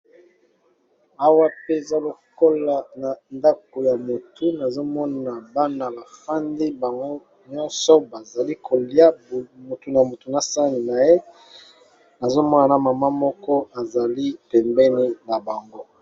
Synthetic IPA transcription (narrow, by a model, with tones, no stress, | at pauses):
a˦wa˦pe˦˨za˦lo˨ko˦la˨na˨nda˦ko˨ja˨mo˨tu˨na˨zo˦mɔ˦na˨ba˦na˨ba˨fa˦ndi˦ba˨ŋɡo˦ | ɲɔ̃˦nsɔ˦ba˨za˨li˦kʰo˨li˦a˦˨mo˨tu˨na˨mo˨tu˨na˨sa˦ni˨na˨je˦ | na˨zo˦mɔ˦na˨na˨ma˨ma˦mɔ˦kɔ˦a˨za˨li˦pɛ˨mbɛ˦ni˦na˨ba˨ŋɡo˦